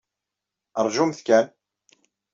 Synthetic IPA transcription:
əɾˤʒumθkæn

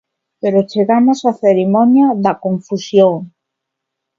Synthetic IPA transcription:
peɾot͡ʃeɣamosaθeɾimɔnjaðɐkoɱfusjoŋ

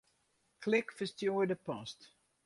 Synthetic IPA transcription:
klɪkfəstjojdəpɑst

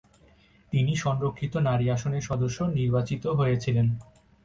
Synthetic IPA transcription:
t̪iniʃɔmɾokʰːit̪onaɾiaʃoneɾʃɔd̪oʃːoniɾbat͡ɕit̪oɦoet͡ɕʰilen

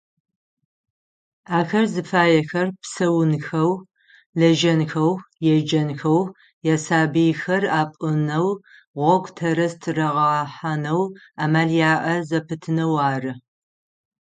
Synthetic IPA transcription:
aːxɐrzɨfaːjɛxɐrpsɐwʊnxɐw | lɐʒɐnxɐwjɛd͡ʒɐnxɐw | jasaːbijxɐraːpʼɨnɐw | ʁʷɔɡʷtʰɐɾɐstʰɨrɐʁɐħanɐw | aːmaːɮjaːʔɐzɐpʰɨtʰɨnɐwaːrɨ

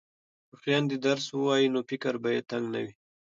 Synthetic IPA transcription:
əxjɑnd̪ed̪aɾswəwɑjinofɪkaɾbajet̪aŋɡna̰wi

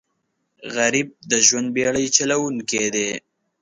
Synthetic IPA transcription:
ɣaɾib̚d̪əʒwand̪̚beɭəjt͡ʃalawuŋked̪e

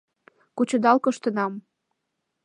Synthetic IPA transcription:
kut͡ɕə̆d̪ɑlkɤʃt̪ə̆nɑm

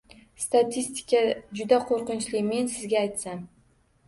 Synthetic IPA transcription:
st̪at̪ʰist̪ʰɪ̥kʲʰad͡ʒʊd̪aqʰoɾqɨnt͡ʃlɪme̞nsɪzɡʲaːjt̪san

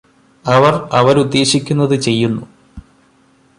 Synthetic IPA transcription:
ɐʋɐrɐʋɐɾud̪ːe̞ːɕikʲːunːɐðɨt͡ɕe̞jːunːu

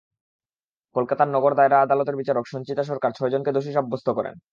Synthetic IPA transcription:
kolkat̪aɾnɔɡoɾd̪aeɾaad̪alot̪eɾbit͡ɕaɾokʃɔnt͡ɕit̪aʃɔɾkaɾt͡ɕʰɔed͡ʑonked̪oʃ̬iʃ̬ɔbːost̪ʰokɔɾḛn

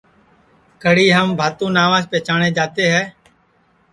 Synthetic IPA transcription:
kəɽiːɦəmbʱaːt̪ũːnaːʋãːt͡ʃpɛːt͡ʃaːɳeːd͡ʒaːt̪eːɦɛː

